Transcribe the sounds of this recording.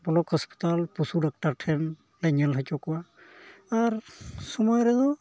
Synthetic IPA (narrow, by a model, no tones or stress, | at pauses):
bɔlɔkhɔspi̥talpusudak̚taɾʈʰɛn | lɛɲɛlɦajt͡ʃɔkɔwaː | ɾsɔmɔjɾɛd̪ɔ